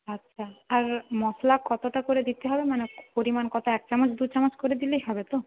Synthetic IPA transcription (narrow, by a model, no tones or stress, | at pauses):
atːʃʰaaɾmɔslakɔt̪oʈakoɾed̪it̪eɦɔbemanepoɾimankɔt̪ʰaɛk̚t͡ɕɔmat͡ɕʰd̪ut͡ɕamat͡ɕkoɾed̪ilejɦɔbet̪o